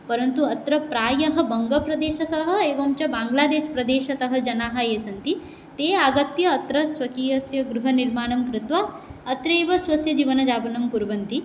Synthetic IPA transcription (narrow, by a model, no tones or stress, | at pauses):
pɐɾɐnt̪uɐt̪ɾɐpɾaːjɐɦɐ̆bɐŋɡɐpɾɐd̪eːʃɐt̪ɐɦɐ̆eːʋɐmt͡ʃɐbaːŋɡlaːd̪eːʃpɾɐd̪eːʃɐt̪ɐɦɐ̆d͡ʒɐnaːɦajeːsɐnt̪i | t̪eːaːɡɐt̪jɐːt̪ɾɐsʋɐkiːɐsjɐɡɾuɦɐniɾmaːɳɐmkɾɪt̪ʋaːɐt̪ɾeːʋɐsʋɐsjɐd͡ʒiːʋɐnɐd͡ʒaːbɐnɐmkuɾbɐnt̪i